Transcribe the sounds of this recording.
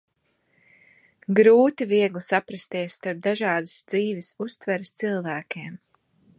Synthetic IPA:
ɡɾuːt̪iviɛɡlˠisapɾast̪iɛsst̪aɾp̚d̪aʒɑːd̪ɨsd̪ziːvɪsust̪vɛɾɪst̪silˠvæːkʲem

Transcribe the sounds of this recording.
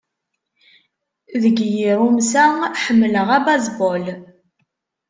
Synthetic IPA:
ðəɡjiɾumsæħəmːləʁæbazbɔl

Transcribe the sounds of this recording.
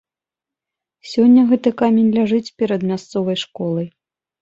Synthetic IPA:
sʲɔnʲːɐɣɛt̪ɨkamʲenʲlʲaʐɨt͡sʲpʲɛɾɐd̪mʲast̪sɔvɐjʂkɔlˠɐj

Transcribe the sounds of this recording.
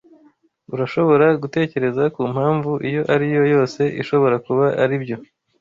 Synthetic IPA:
uɾaʃo̞βo̞ɾaɡute̞ːce̞ɾe̞zakuːmhaːɱvuʔijo̞ʔaɾijo̞jo̞ːse̞ʔiʃo̞βo̞ɾakuβaʔaɾibjo̞

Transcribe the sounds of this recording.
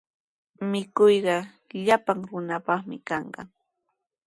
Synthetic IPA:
mɪkʊjɢɑ | ʎapaŋɾʊnapɑχmɪ̰kɑɴɢɑ̰

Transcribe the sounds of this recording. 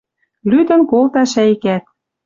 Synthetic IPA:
lyd̪ə̆nkolt̪ɑʃæikæt̪̚

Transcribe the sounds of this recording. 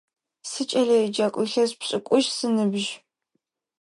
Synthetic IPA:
sɨt͡ʃʼɐɮɐid͡ʒɐkʷʼɨɬɐzpɕʼɪkʷʼʊʒsɨnɨbʒ

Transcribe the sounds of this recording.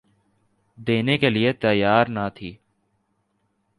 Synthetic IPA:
d̪eːnekeliet̪əjaːɾnat̪ʰiː

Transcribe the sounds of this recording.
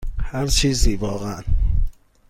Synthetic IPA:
hæɾt͡ʃʰiːziːvɒːɣæʔn

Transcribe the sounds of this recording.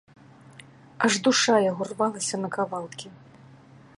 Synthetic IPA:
ɐʐd̪uʂajaɣɔrvalˠɐsʲɐnɐkavalˠkʲi

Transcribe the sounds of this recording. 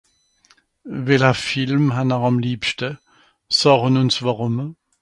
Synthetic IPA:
vɛlɛfɪlmɦanaʁɑmliːpʃtə | sɔːʁənʊnsvaʁʊm

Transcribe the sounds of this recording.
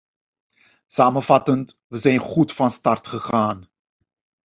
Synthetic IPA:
saːmənvɑtəntʋəzɛjnχutfɑnstɑrtχəχaːn

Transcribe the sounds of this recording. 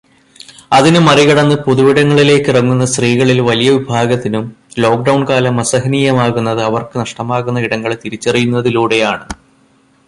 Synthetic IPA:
ɐðinɨmɐriɣɐɽɐnːɨpoðuʋiɽɐŋːɐɭile̞ːkːɨrɐŋːunːɐsriːɣɐɭilʋɐlijɐʋibʱaːɡɐt̪ːinum | lo̞ːk̚ɖɐwɳkaːlɐmɐsɐɦɐniːjɐmaːɣunːɐðɨɐʋɐrkɨnɐʂʈɐmaːɣunːɐiɽɐŋːɐɭt̪iɾit͡ɕːɐrijunːɐðiluːɽe̞jaːɳɨ

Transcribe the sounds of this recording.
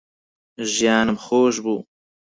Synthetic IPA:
ʒijɑːnəmxoːʃ̬buː

